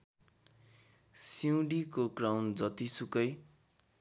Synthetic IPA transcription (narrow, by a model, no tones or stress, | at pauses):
siw̃ɖikoɡrawnd͡zʌt̪isukʌj